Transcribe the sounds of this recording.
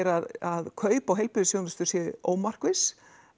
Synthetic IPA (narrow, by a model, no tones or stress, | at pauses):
ɾaðaðkʰœːɥpawɦejlpʏðʏsjownast̪ʏɾ̥sjɛʔo̰ːwmar̥kɪs